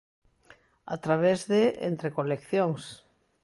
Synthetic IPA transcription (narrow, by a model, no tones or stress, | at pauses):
a̰t̪ɾaβ̞ezðeʔḛnt̪ɾekolekθjoŋs